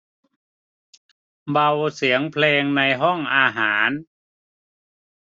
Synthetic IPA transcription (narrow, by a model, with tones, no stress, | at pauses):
ba˧wsi˩˦əŋpʰleː˧ŋna˧jɦɔ˥˩ŋʔaː˧ɦaː˩˦n